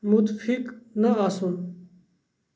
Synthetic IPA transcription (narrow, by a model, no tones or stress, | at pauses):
mut̪fiknɐʁasun